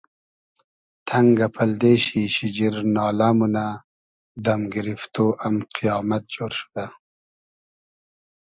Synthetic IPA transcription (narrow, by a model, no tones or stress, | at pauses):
t̪ʰaŋɡapʰald̪eːɕiɕid͡ʑiɾnɑːlamuna | d̪amɡɪɾift̪oʔamqʰijɑːmat̪̚d͡ʒoːɾʃu̥d̪a